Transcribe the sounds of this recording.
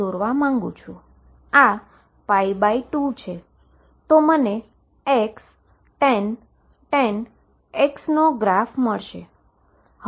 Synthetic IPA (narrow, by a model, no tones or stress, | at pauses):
oɾʋamãŋɡṵ̃t͡ʃʰũ | a | paibaiʈut͡ʃʰe | t̪oməne | eks | ʈen | ʈɛen | eksnoɡɾafməɭʃe